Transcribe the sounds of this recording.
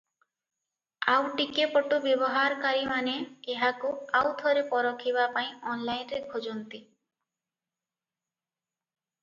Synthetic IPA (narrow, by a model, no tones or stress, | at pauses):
awʈikepɔʈubjebɔɦaɾɔkaɾimaneːɦakuawt̪ʰɔɾepɔɾɔkʰibapaĩɔnlajnɾekʰod͡ʒɔnt̪i